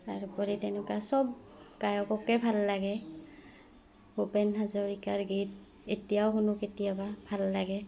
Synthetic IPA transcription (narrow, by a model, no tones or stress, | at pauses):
aɹupɔɹitɛnɛkasɔbkajɔkɔkɛbʱalːaɡɛ | opɛnɦazɔɹikaɹɡit̚ | etijawxunʊketijababʱalːaɡɛ